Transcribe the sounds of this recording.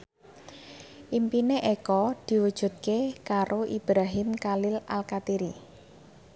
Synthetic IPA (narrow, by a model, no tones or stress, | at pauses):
ʔimpineʔekɔd̪̥i̤wud̥ʒ̥ṳt̪̚kekaɾʔoʔib̥ɾaɦɪmkalɪla̰lkat̪iɾi